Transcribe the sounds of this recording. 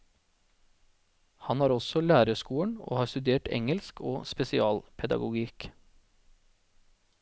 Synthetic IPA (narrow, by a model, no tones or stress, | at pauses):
hɑnhɑːɾɔsɔlæːɾəskuːəɳo̰ːhɑːɾst̪ʉd̪eːʈɛ̰ŋəlskʰoːspɛsɪɑːlpʰɛd̪ɑ̰ɡʊɡik